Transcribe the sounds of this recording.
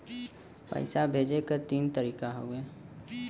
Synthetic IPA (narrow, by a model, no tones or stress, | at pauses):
pə̰ɪsabʱeːd͡ʒekəɾt̪iːnt̪əɾiːkaɦoːɡeː